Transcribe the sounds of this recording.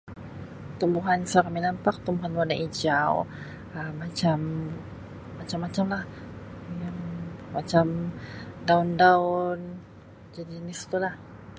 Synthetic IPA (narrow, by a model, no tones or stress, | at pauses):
t̪umbuɦansakaminampak̚t̪umbuɦanwanaʔid͡ʒaw | əmːat͡ʃam | mat͡ʃamːat͡ʃamlah | amat͡ʃamdaʊndaʊn | d͡ʒadinɪst̪ulah